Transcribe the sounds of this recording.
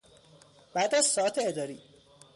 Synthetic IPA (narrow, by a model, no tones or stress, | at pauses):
b̥æːd̪æz̥sɒːæt̪ʰeed̪ɒːɾiː